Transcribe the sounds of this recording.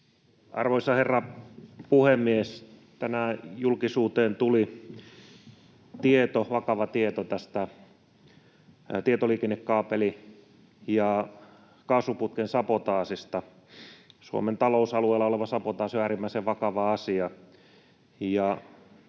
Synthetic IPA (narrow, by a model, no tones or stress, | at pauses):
ɑ̰rʋoisɑherːɑpuhemːiest̪ænæjulkisuːt̪eːnt̪uli | t̪iet̪oʋɑkɑʋɑt̪iet̪ot̪æst̪æ | t̪iet̪oliːkenːekːɑːpeli | jɑ | kɑːsuput̪̚kensɑpot̪ɑːsist̪ɑ | suo̰ment̪ɑlousɑlueːlːɑoleʋɑsɑpot̪ɑːsoæːɾimːæiseʋʋɑkɑʋɑɑsiɑ | jɑ